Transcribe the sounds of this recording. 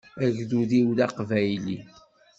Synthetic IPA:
æʝðuðiwðaqvæjlḭ

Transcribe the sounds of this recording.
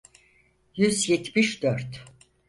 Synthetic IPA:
jyzjɛt̪ʰmiʃd̪øɾt̪

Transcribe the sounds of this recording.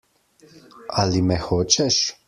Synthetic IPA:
alimɛxoːt͡ʃɛʃ

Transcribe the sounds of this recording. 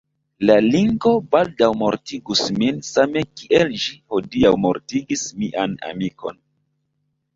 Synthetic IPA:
laliŋɡo̞baldawmo̞ɾtiɡusminsame̞kiʔelʃiho̞diawmo̞̰ɾtiɡismiʔana̰mikʰo̞̰n

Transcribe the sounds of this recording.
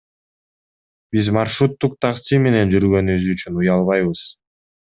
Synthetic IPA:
b̥izmɑrʃɾut̪ːuq̚t̪ʰɑqsime̞ne̞nd͡ʒyɾɡø̞nyzyt͡ʃʰynujɑlˠβɑjβɯz̥

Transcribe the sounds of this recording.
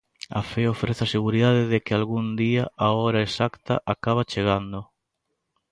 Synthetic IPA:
a̰feofɾeθaseɣuɾiðaðɪðekɪalɣund̪iaaɔɾaesakt̪a̰ʔakaβ̞at͡ʃeɣ̞and̪ʊ

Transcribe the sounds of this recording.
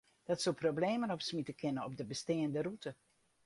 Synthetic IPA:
d̥ɑtsoprobleːmənɔpsmitəkʰɪnəɔb̚dəbəsteːəndərutə

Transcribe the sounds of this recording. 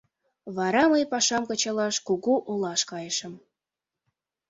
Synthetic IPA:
βɑɾɑməjpɑʃɑmkɤ̆t͡ɕɑlɑʃkuɣuʔolɑʃkɑjəʃə̆m

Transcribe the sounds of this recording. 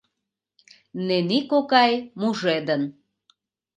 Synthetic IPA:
nenikokɑjmuʒed̪ən

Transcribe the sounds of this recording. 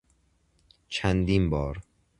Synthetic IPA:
t͡ʃʰænd̪iːnbɒːɾ

